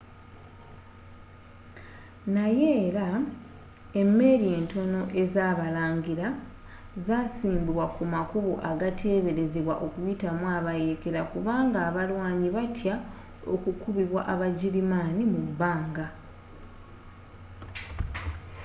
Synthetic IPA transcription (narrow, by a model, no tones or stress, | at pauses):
naje̞ːɾa | e̞mːe̞ːɾie̞ːnto̞no̞ʔe̞zaːβalaːɲɡiɾa | zasiːmbiβwakumakuβuʔaɡatʰe̞ːβe̞ɾe̞zeβwa̰ʔo̞kujitamwaβaje̞ke̞ɾakuβaːŋɡaːβalwaːɲiβatʰja | o̞̰kukuβiβwa̰ʔaβaɟiɾimaːnimubaːŋɡa